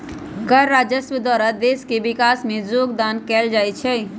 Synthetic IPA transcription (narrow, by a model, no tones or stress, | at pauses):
kəɾːad͡ʒəsʋəd̪waːɾad̪eskebikaːsmẽd͡ʒoɡd̪ankɛld͡ʒaːjt͡ʃʰɛ